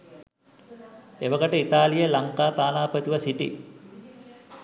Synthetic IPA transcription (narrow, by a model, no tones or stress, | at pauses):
eʋəkəʈəit̪aːlijəlaŋkaːt̪aːnaːpət̪iʋəsiʈḭ